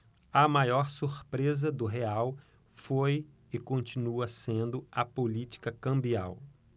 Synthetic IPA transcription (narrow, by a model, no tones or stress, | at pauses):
ɐmajɔɾsuɾpɾezɐd̪ʊɦeaw | foj | ɪkõnt͡ʃinuɐsẽnd̪ʊɐpolit͡ʃi̥kɐkɐ̃mbiaw